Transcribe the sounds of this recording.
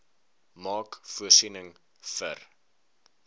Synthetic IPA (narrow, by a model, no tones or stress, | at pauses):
mɑːkfuərsinəŋ | fə̰r